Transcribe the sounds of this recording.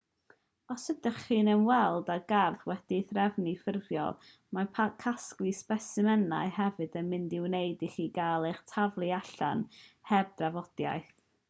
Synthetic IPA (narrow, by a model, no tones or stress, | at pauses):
ɔsədəχiːnənwɛlˠdaɡarθwɛd̥iθrɛvnifɪrvjɔ̰lˠ | mapʰakʰasklˠispɛsɪmɛna̰ɨhɛvɨdənmɪndɪwnejdiχiːɡalˠejχtʰavlˠɨaɬa̰nhɛb̚dravɔd̥ja̰jθ